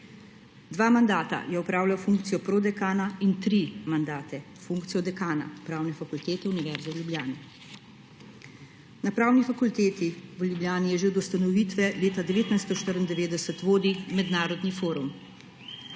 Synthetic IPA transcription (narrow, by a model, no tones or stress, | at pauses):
d̪ʋaːmand̪aːt̪a̰jɛɔpɾaːwljawfuŋkt̪sijɔpɾod̪ɛkaːnaint̪ɾimand̪aːt̪ɛ | fuŋkt̪sijɔd̪ɛkaːna̰pɾaːwnɛfakult̪eːt̪ɛuniʋɛɾzawljubjaːnɛ | napɾaːwnifakult̪eːt̪iʋljubljaːnijɛʒeɔd̪ɔst̪anɔʋiːt̪ʋɛleːt̪ad̪ɛʋeːt̪najst̪ɔʃt̪əɾind̪ɛʋeːd̪ɛsət̪ʋoːd̪imɛd̪naːɾɔd̪nifoːɾum